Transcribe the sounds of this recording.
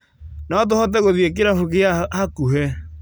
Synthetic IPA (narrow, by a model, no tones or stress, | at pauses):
nɔt̬ohɔt̬ɛɣoðiek̬eɾafokeahakuɦɛ